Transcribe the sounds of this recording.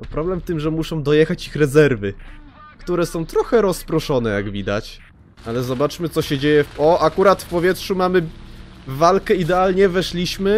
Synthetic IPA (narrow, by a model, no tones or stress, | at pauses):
ɔpɾɔblɛmft̪ɘmʐɛmuʂɔ̃w̃d̪ɔjɛxat͡ɕixɾɛzɛɾvɘ | kt̪uɾɛsɔ̃w̃t̪ɾɔxɛɾɔspɾɔʂɔnɛjaɡvʲid̪a̰t͡ɕ | alɛzɔbat͡ʂmɘt̪ɔɕɛd͡ʑejɛɔakuɾat̪fpɔvʲjɛtʂumamɘː | alkɛid̪ɛalɲɛvɛʂlʲiɕmɘ